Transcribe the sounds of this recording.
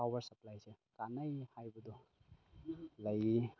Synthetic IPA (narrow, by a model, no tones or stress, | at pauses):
awbɐɾsɐplajsekanəjhajbɐdɔ | laji